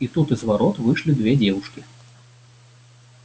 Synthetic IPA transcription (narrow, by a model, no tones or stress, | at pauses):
it̪ut̪ɨzvaɾɔt̪vɨʂlʲid̪vʲɛd͡zʲɛwuʂkʲi